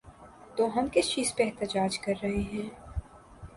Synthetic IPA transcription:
t̪oːɦɐmkɪst͡ʃiːzpeɛɦt̪əd͡ʒaːd͡ʒkɐɾːɐɦeɦɛ̃ː

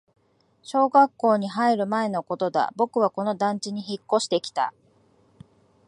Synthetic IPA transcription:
ɕo̞ːɡakːo̞ːɲ̟iɦaiɾɯ̟mae̞no̞ko̞t̪o̞d̪a̰bo̞kɯ̟β̞ako̞no̞d̪ãɲ̟t͡ɕiɲ̟içikːo̞ɕi̥t̪e̞kʲi̥t̪a̰

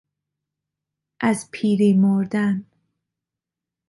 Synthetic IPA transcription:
ʔazpʰiːɾimoɾd̪an

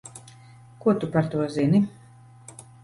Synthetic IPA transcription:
kuɔt̪upaɾt̪uɔzinʲi

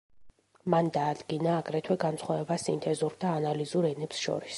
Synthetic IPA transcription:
mand̪aːd̪ɡinaːɡɾɛt̪ʰwɛɡant̪sχwavɛbasḭnt̪ʰɛzuɾd̪aːnalizuɾɛnɛpsʃɔ̰ɾis

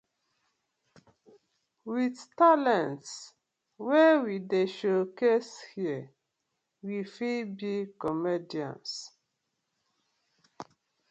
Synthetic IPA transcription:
wiθtalɛ̃nts | wɛwideʃokeshi | wifilbikɔmediã̰ns

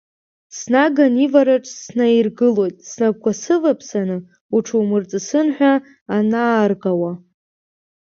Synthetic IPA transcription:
snaɡanivaɾaʈ͡ʂʼsnairɡɨlo̞jtʼsnab̚kʷʰasɨvapʰsanɨ | uʈ͡ʂʰuwmɨrt͡sʼɨsɨnħʷᶣa | anaːrqʼawa

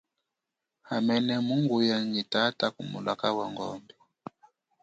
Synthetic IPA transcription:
hamɛnɛmuŋɡujaŋitatakumṵlakawaŋɡɔ̰mbɛ

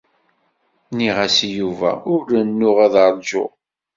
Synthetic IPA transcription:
niʁæsjuvæ̰ʊɾənːʊʁæðɑɾˤd͡ʒʊ̰

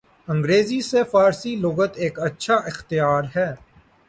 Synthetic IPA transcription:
ɐ̃ŋɡɾeːzisefaːɾsilʊɡət̪eːkɐtːʃʰaʔɪxt̪ɪjaːɾɦɛː

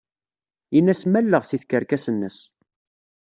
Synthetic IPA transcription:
jinːæsmælːəʁθiθkəɾkæsənːəs

